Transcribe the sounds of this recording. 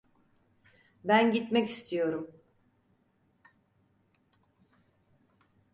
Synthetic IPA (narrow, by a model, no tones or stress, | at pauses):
bænɟit̪mɛci̥st̪ʰijo̞ɾum